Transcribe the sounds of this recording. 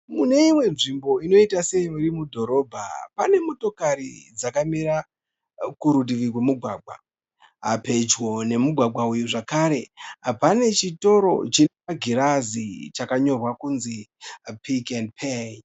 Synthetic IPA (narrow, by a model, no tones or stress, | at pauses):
mune̞imwe̞nʐimbo̞ino̞itase̞joiɾimudʱo̞ɾo̞ːbʱa̰pane̞moto̞kaɾid͡zakamiɾa | kuɾudiʋiwemuɡʱwaːɡʱwa̰ | ɦa̰pe̞d͡ʒwo̞ne̞muɡʱwaɡʱwaujuʐakaɾe̞pane̞t͡ʃito̞ɾo̞̰t͡ʃineaɡʱiɾazit͡ʃakaɲo̞rwakunzipʰikendpʰej